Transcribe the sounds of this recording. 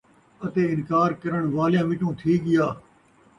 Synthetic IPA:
ɐt̪eːɪnkaːɾkɐɾəɳ̃ʋaːlɪjãːʋɪʈũːt̪ʰiːɠɪjaː

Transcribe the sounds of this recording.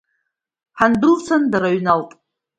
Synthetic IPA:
ħanbɨlt͡sʷʰandaɾaɥnaltʼ

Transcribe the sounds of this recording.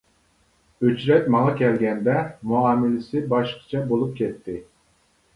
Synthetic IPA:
øt͡ʃɾɛt̪ʲmɑŋɑkʲʰɛlɡʲɛnd̪ɛmuɑːmɪlɪsɪbɑʃqɑ̥t͡ʃʰɑbolˠup̚kʲɛt̪ːɪ

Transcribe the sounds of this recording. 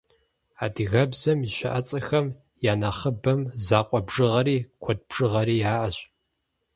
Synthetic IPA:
aːdɨɣɐbzɐmiʃɐ̰ʔɐt͡sʼɐxɐm | jaːnɐχəbɐmzaːqʷʼɔbʐɨʁɐɾiːkʷʰɔd̚b̥ʐɨʁɐɾiːjaːʔɐɕʼ

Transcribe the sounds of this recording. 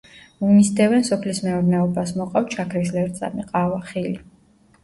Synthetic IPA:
mumisd̪ɛvɛnsɔpʰlismɛɔɾnɛɔbasmɔqʼaft͡ʃʰakʰɾislɛɾt̪sʼa̰miqʼavaχili

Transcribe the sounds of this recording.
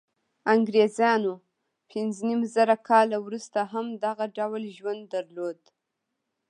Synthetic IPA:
aŋɡɾezjɑno | pʰɪnznimzaɾakʰɑlawɾust̪aɦamd̪aɣaɖawlʒwand̪ːaɾlod̪

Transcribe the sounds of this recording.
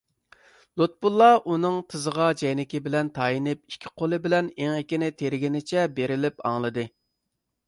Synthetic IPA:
lˠut̪̚bulˠːɑʔunɨŋt̪ʰɨzəʁɑd͡ʒɛjnɪkʲɪbɪlɛnt̪ʰɑjinɪp̚i̥kʲʰːi̥qʰolˠɨbɪlɛnɪŋekʲɪnɪt̪ʰeɾɪɡʲinɪt͡ʃʰɛbeɾɪlɪpɑ̰ŋlˠɨd̪ɨ

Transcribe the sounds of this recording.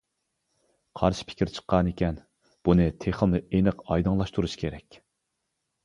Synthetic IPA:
qʰɑɾʃi̥pʰɪ̥kʲiɾt͡ʃʰə̥qʰːɑnekʲɛn | b̥unɨt̪ʰeχəmnɨenɨqɑjd̪ɨŋlˠɑʃt̪uɾuʃkʲʰeɾɛkʲ

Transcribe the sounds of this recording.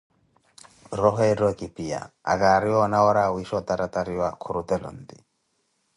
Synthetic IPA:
rɔɦɛɾɔkipija̰a̰kaɾiɔnawɔɾawiʃɔt̪aɾat̪aɾiwakʰuɾut̪ɛlɔ̰n̩d̪ḭ

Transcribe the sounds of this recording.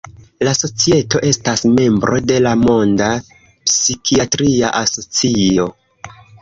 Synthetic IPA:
laso̞t͡sie̞to̞ʔe̞stasme̞mbɾo̞de̞lamo̞nda | psikʰiatɾiaʔaso̞t͡sio̞

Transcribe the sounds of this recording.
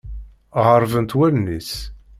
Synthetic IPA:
ʁəɾˤvənt̪wælnis

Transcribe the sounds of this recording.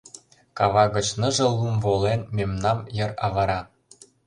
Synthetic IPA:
kɑβɑɣə̆t͡ɕnə̆ʒɤ̆lumvolenmemnɑmjə̆rɑβɤɾɑ

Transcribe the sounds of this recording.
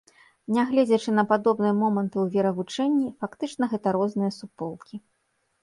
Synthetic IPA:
nʲaɣlʲɛd͡zʲɐt͡ʂɨnɐpad̪ɔbnɨjɐmɔmɐnt̪ɨwvʲɛɾɐvut͡ʂɛnʲːifakt̪ɨt͡ʂnɐɣɛt̪ɐɾɔznɨjɐsupɔlˠkʲi

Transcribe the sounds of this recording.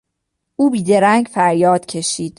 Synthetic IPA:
ʔuːbiːd̪e̞ɾæŋɡfæɾjɒːd̪̥cʰe̞ʃiːd̪̥

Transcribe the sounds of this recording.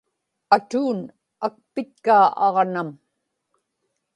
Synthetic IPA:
at̪uːn | ak̚pɪt̪̚kaːʔɑʁnam

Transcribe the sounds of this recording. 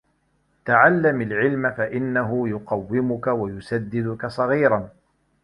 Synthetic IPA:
t̪aʕalːamalʕɪlmafaʔɪnːaɦʊjʊqɑwːɪmʊkawajʊsad̪ːɪd̪ʊkasˤɑɣiːɾˤɑn

